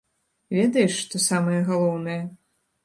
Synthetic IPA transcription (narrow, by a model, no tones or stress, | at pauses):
vʲɛd̪ɐjɛʂʂt̪ɔsamɨjɐɣalˠɔwnɨjɐ